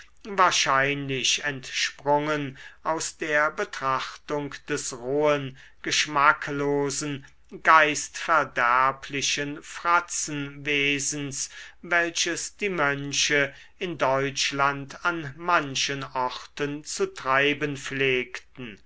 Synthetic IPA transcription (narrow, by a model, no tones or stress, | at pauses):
vaːɐʃaɪnlɪʃɛntʃpʁʊŋənʔaʊsd̥eːɐbətʁ̥aχtʊŋkd̥ɛsʁoːən | ɡ̥əʃmakloːzn̩ | ɡaɪstfɛɐdæɐpʰlɪʃənfʁ̥at͡sn̩veːzn̩svɛlʃəsd̥iːmœnʃə | ɪndɔʏt͡ʃlantʰanmanʃənɔχtənt͡sutʁ̥aɪbənfleːktn̩